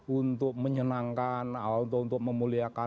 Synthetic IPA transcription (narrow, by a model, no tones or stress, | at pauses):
unt̪ʊk̚məɲənaŋkanaaunt̪ʊkunt̪ʊk̚məmuliaka